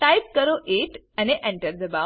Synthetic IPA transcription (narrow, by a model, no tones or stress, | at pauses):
ʈajp̚kəɾoʔeʈ | aneʔɛ̃ɳʈəɾd̪əba